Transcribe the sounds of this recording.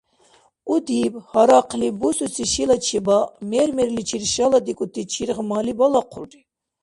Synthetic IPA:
ud̪iphaɾaqʰlibususiʃilat͡ʃʰibamɛɾmɛɾlit͡ʃʰiɾʃalad̪ikʼut̪ʰːit͡ʃʰiɾʁmalibɔlaqʰṵlri

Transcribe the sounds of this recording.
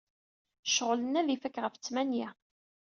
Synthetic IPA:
ʃəʁlənːæðifækːʁəfət͡sːmænji

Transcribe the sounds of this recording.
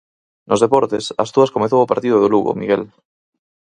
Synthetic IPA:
nozðepɔɾt̪esa̰st̪uaskomeθowopaɾt̪ið̞oð̞oluɣo̰miɣel

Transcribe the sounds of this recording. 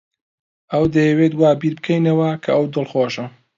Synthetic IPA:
ʔɐwd̪ɐjɛweːt̪waːbiːɾbɨkʰɐjnɐwɐkʰɐɐwd̪ɨlˠxoːʃɐ

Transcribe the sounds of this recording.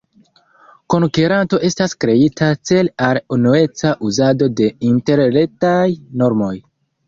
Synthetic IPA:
ko̞nkeɾanto̞ʔe̞staskɾe̞itʰat͡se̞lalunue̞t͡saʔuzado̞de̞inte̞ɾle̞tajno̞ɾmo̞j

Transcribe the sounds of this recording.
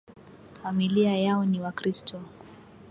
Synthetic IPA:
familiajaɔniwakɾistʰɔ

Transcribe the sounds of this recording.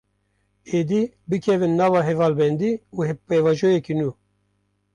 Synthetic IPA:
eːd̪iː | bɨkʰɛvɨnːɑːvɑːɦɛvɑːlbɛnd̪iːuːhɛpevɑʒojɛkinuː

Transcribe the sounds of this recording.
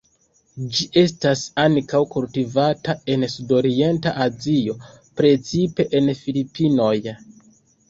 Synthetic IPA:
d͡ʒiʔe̞stasaŋkawkultivatae̞nsudo̞ɾie̞ntaʔazio̞ | pɾe̞t͡sipe̞ʔenfilipino̞j

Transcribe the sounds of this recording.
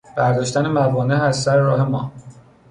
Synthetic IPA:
b̥æɾd̪ɒːʃt̪ænemævɒːneæzsæɾeɾɒːɦe̞mɒː

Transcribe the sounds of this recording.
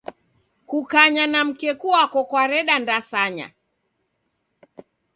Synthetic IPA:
kukaɲanam̩kɛkuakɔkwaɾɛɗandasaɲa̰

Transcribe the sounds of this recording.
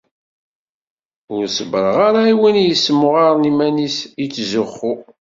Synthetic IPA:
ʊɾsəbəɾˤəʁaɾaiwənjəsːmːʊʁaɾnimænisit͡sːzʊχːʊ

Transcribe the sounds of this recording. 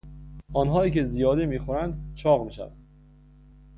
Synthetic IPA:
ɒːnɦɒːiːcʰe̞zijɒːd̪emiːxoɾænd̪t͡ʃʰɒːɣmiːʃæ̰væ̰nd̪

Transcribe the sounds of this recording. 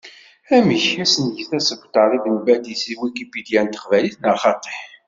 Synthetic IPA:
æməçæsənjəθæsəɡʷt̪ɑɾˤiðənbæd̪isiwikibid̪jænt̪ːə̥qvæliθnɑχɑt̪ˤe̥ħ

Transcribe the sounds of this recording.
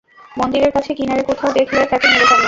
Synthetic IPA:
mond̪iɾeɾkat͡ɕʰekinaɾekot̪ʰaod̪ekʰleɾk̪ɛt̪enid̪epaɾe

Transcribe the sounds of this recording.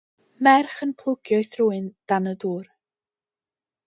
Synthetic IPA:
mɛrχənpʰlˠʊɡ̥jɔɨθruːɨnd̥anəduːr

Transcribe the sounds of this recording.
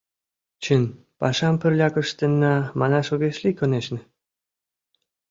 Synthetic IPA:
t͡ɕɘn | pɑʃɑmpɘ̆rlʲɑkɤ̆ʃt̪ĕnːɑmɑnɑʃoɣeʃlikŏneʃnɘ̆

